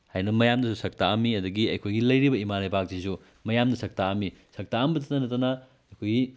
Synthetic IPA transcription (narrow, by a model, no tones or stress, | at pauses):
hajnɐmɐjamdɐsusɐk̚taɐmːiɐd̪uɡiɐjkʰojɡilɐjɾibɐimanɐjbak̚zisu | mɐjamdɐsɐk̚taːmːisɐk̚taːmbɐt̬ɐtːɐnɐtːanɐ | ɐjkʰojɡi